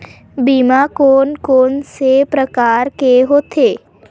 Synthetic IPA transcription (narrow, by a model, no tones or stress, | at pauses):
biːmakoːnkoːnsepɾəkaɾkeɦoːt̪ʰe